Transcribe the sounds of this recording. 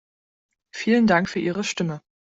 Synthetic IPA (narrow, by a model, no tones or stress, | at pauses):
fiːləndaŋkfyːɐʔiːʁəʃtɪmə